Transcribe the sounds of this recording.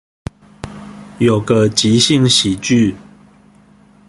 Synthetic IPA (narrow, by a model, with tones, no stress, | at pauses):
jo˨˩ʊɡə˨t͡ɕi˨˦ɕi˥˨ŋɕi˨t͡ɕy˥˨